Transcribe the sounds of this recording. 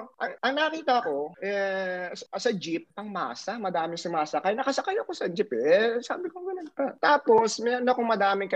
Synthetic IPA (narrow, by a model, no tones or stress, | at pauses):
ʔɐŋʔɐŋnɐkɐkiːt̪ɐko̞ʔɛssɐd͡ʒip̚ːɐŋma̰ːsɐmɐd̪aːmɪŋsʊmaːsɐkajnɐkɐsɐkajɐko̞sɐd͡ʒɪpɛsa̰ːbɪkoŋɡɐnʊnpat̪aːpo̞smɛɾonɐkoŋmɐd̪aːmɪŋkɐ